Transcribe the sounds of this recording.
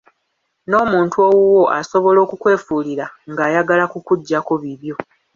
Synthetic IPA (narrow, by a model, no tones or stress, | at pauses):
no̞ːmuːntuowuwo̞ʔaso̞βo̞lo̞ːkukwe̞ːfuːliɾaŋɡaːjaɡalakukuɟːakoβiβjo̞